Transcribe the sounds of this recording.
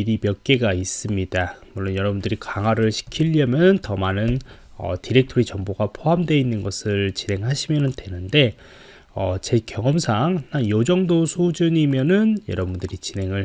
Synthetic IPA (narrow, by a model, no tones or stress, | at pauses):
ɾimjʌk͈e̞ɡais͈ɯmɲidamuɭːonjʌɾʌbundɯɾikaŋɦwaɾɯɭɕʰi̥kʰiʎːʌmjʌnɯntʌmanɯnʌ̰tiɾe̞k̚tʰoɾit͡ɕʌŋboɡapʰoɦamdwe̞inːɯnɡʌsʰɯɭt͡ɕine̞ŋɦaɕʰimjʌnɯndwe̞nɯnde̞ | ʌt͡ɕe̞kjʌŋʌmsʰaŋnajod͡ʑʌŋdosʰod͡ʑuɲimjʌnɯnjʌ̰ɾʌbundɯɾit͡ɕine̞ŋɯɭ